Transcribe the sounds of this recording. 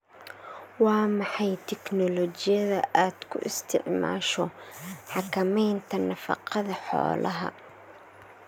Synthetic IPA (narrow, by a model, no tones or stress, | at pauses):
wɑːmɑħɑjt̪ʰɛknɔlɔt͡ʃɪjɐðɐʔaːd̪kʰʊ̰ʔɪst̪ʰɪ̰ʕma̰ːʃɔħɑkʰɐmɛjnt̪ʰɐnɐfɑ̰qɑðɐħɔ̰ːlʔɐɦɐ̰